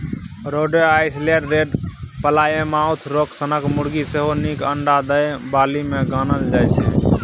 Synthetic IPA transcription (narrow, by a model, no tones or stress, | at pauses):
ɾoɖeajsleəɖɾeɖpəlajemaut̪ʰɾoksənəkmuɽɡiseɦonikəɳɖad̪əjbaːlimeɡaːnəld͡ʒajt͡ʃʰɛ̰